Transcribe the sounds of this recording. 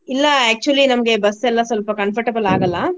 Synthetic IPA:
ilːɐæːk̚t͡ʃuɐlinɐmɐɡe̞bɐsɛlːɐsʋɐlpɐkɐnfɐɾʈebɐlaːɡɐlːɐ

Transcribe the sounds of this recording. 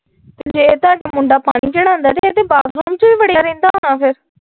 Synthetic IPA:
t̪ed͡ʒeːt̪ʊaːɖaːmʊɳɖaːpa̰ːɽ̃iːt͡ʃəɽ̃ãːnd̪aːt̪eeːt̪eːbaːd̪ɾoːmt͡ʃʋiːʋəɽjaːɾẽːnd̪aːɦʊnaːpʰɪɾ

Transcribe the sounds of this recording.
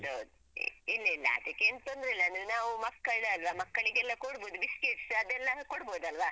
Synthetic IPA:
d̪owd̪ṵ | ilːɐilːɐ̰ɐ̰d̪ikːeːnt̪ond̪ɾeilːɐɐnd̪ɾenaːʋumɐkːɐɭɐlʋɐmɐkːɐɭiɡɛlːɐkoɽboːd̪ubiskeʈsɐd̪ɛlːɐkoɽboːd̪ɐlʋa

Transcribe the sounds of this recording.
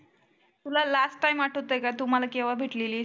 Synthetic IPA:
t̪ulalasʈːajmaʈʰot̪ːəekajt̪um̤alakeʋabʱeʈleliː

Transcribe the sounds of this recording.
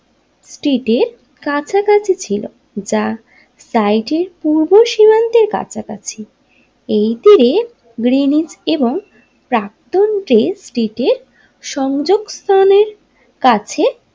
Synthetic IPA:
sʈiʈeɾ | kat͡ɕʰakat͡ɕʰit͡ɕʰilo̰ | d͡ʑa | sajʈeɾpuɾboʃimant̪eɾka̰t͡ɕʰakat͡ɕʰi | ejt̪iɾe | ɡɾinid͡ʑeboŋ | pɾak̚t̪onʈɾesʈiʈeɾ | ʃɔŋd͡ʑoɡst̪ʰaneɾ | kat͡ɕʰe

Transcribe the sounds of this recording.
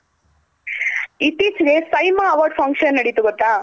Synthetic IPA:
it̪ːit͡ʃɐɡesɐjmaːʋaːɾɖpʰɐŋɡʂɐnːɐɽit̪uɡɔt̪ːaː

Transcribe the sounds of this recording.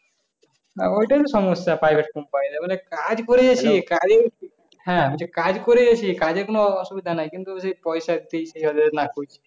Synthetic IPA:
a̰ojʈat̪ɔsɔmɔsjapɾajbʱeʈ̚kɔmpanĩd̪amanekad͡ʒkɔɾed͡ʒat͡ʃʰikaɾei | ɦɛ̃bit͡ʃʰikad͡ʒkoɾed͡ʒat͡ʃʰikad͡ʒek̬onoɔsubid̪ʱanajkint̪uosepɔjsad̪ejt͡ʃʰiʃɔd̪enakojt͡ʃʰi̥

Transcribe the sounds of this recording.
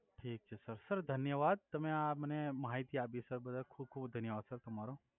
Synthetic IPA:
ʈʰiːk̚t͡ʃʰesɐɾsəɾd̪ʱɐnjəʋaːd̪̚t̪ɐmẽamɐnemɐɦait̪iaːbisəɾbɐd̪akʰuːb̚kʰuːbd̪ʱɐnjəʋaːd̪sɐɾt̪ɐmaːɾo

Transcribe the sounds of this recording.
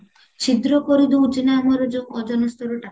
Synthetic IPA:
t͡ʃʰid̪ɾɔkɔɾid̪ut͡ʃinamɔɾɔd͡ʒoɔd͡ʒɔnɔst̪ɔɾɔʈa

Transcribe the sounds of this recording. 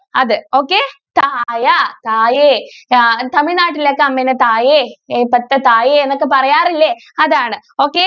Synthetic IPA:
ɐðɨo̞ːkːeːt̪aːjat̪aːje | t̪ɐmiɻnaːʈːilekːeɐmːenɐt̪aːjepɐt̪ːɐt̪aːjeenːokːepɐrɐjaːrilːe | ɐðaːɳɨ | o̞ːkːeː

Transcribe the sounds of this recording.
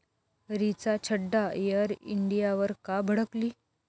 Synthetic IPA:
ɾit͡sat͡ɕʰəɖːajəɾḭɳɖijaʋəɾkabʱəɽəkliː

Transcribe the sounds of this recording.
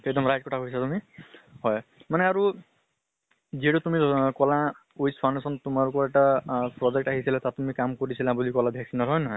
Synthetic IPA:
ek̚dɔmɹajt̚kɔʈʰakojsatumihɔjmanɛaɹu | ziɦɛʈutumikɔla | ujspʰansɔntumaɹukɔɹɛʈapɹɔzɛk̚ʈaɦisilat̪atumikamkoɹisilãbulikɔlabʱjaksinɔɹɦɔjnɔɦɔj

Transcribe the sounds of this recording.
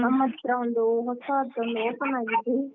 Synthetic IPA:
nɐmːɐt̪ːɾɐond̪uɦɔsɐɐt̪ːɐond̪uoːpɐnaːɡid̪i

